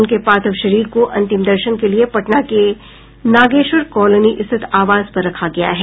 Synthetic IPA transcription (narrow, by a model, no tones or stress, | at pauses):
nkepaːt̪ʰəʋʃɐɾiːɾkoʔɐ̰̃nt̪ɪmd̪ɐɾʃənkeliepɐʈnake | naːɡeːʃʋəɾkɔːloniʔɪst̪ʰɪt̪ʰaːʋaːzpɐɾːɐkʰaɡɐja̰ɦɛː